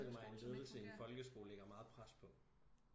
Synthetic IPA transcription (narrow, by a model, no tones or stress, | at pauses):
ɡ̥əmɑ̈ɪenle̝ːð̞ˠl̩səienfɒ̽lɡ̥əsɡ̥o̝̰ːleɡ̥ɐmɑ̈ːð̞̩ˠpʰʁaspʰɒ̽